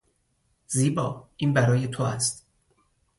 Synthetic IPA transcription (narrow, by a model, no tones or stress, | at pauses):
ziːbɒːʔiːnbæɾɒːjet̪ʰoæst̪